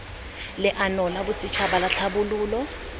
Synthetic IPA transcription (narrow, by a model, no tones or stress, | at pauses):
lɪʔanɔlabʊsit͡ʃʰabalaɬʰabuluːlɔ